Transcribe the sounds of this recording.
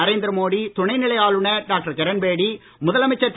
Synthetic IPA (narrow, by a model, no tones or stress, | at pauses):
ɐɾeːnd̪ɪɾɐmoːɽit̪ʊɳɐɪnɪɭɐɪjaːɭɯɳɐɖaːk̚ʈɐɾkɐɾɐnbeːɽi | mʊðɐlɐmɐɪt͡ʃːɐt̪ː